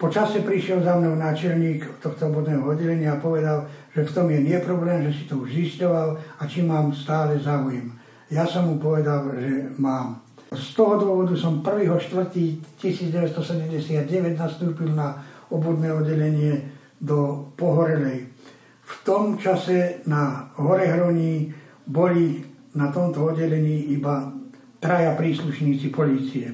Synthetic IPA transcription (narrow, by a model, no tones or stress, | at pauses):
pɔt͡ʃasɛpɾiʃɪɛlzamnɔʊnaːt͡ʃɛlɲiːkt̪ɔxt̪ɔɔbɔd̪nɛːɦɔɔd̪ːɛʎɛɲɪaːpɔʋɛd̪alʒɛft̪ɔmjɛnɪɛpɾɔblɛːmʒɛsi̥t̪ɔuʒziscɔʋalat͡ʃimaːmst̪aːlɛzaujɛm | jasɔmːupɔʋɛd̪alʒɛmaːm | st̪ɔɦɔd̪wɔʋɔd̪usɔmpr̩ʋiːɦɔʃt̪ʋr̩t̪iːcisiːd͡zɟɛʋɛt̪st̪ɔsɛɟɛmɟɛsɪad̪̚ɟɛʋɛɟnast̪uːpilnaɔbud̪nɛːɔd̪ːɛʎɛɲɪɛ | d̪ɔpɔɦɔɾɛlɛj | ft̪ɔmt͡ʃasɛnaɦɔɾɛɦɾɔɲiː | bɔli | nat̪ɔmt̪ɔɔd̪ɟɛʎɛɲiːiba | t̪ɾajapɾiːsluʃɲiːt͡sipɔliːt͡siɛ